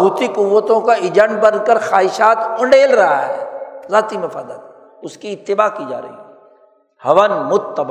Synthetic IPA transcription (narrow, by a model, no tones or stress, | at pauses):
ɦuːt̪ikʊʋːət̪õkaɪd͡ʒə̃ɳɖ̚bɐnkəɾxaːɦɪʃaːt̪ʊ̃ɳɖeːlɾɐɦa̰ɦɛ̰ːzaːt̪imʊfaːd̪ət̪ | ʊskiɪt̪ːɪbaːkid͡ʒa̰ːɾɐ̰ɦḭɛ | hɐʋənmʊt̪ːəb